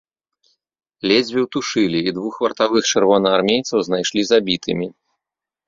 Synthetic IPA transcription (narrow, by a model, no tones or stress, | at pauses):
lʲɛd͡zʲbʲiwt̪uʂɨlʲiːd̪vuxvɐrt̪avɨxt͡ʂɨrvɔnɐarmʲejt̪sɐwznajʂlʲizabʲit̪ʰɨmʲi